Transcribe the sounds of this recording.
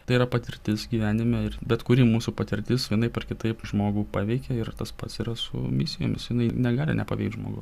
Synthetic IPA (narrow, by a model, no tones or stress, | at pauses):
t̪ɐɪiːɾɐpɐt̪ʲɪɾʲt̪ʲɪsɡʲiːʋʲæːnʲɪmʲɛɪrbʲɛt̪kʊɾʲiːmuːsuːpɐt̪ʲɪɾʲt̪ʲɪsʋʲiɛnɐɪpɐrkʲɪt̪ɐɪpʒmoːɡuːpɑːʋʲɛɪkʲɛɪɾt̪ɐspɐt̪siːɾɐsʊ̰mʲɪsʲɪjoːmʲɪsjɪnɐɪnʲɛɡɑːlʲɪ̰nʲɛ̰pɐ̰ʋʲɛ̰ɪk̚d̪ʒmo̰ːɡʊ̰s